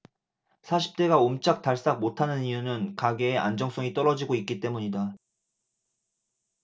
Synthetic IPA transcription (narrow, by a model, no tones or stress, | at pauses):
sʰaɕʰi̥p̚t͈e̞ɡaomt͡ɕ͈ak̚t͈aɭs͈ak̚motʰanɯnijunɯnkaɡe̞ːʔa̰nd͡ʑʌŋs͈oŋit͈ʌɾʌd͡ʑiɡoik̚k͈it͈e̞muɲida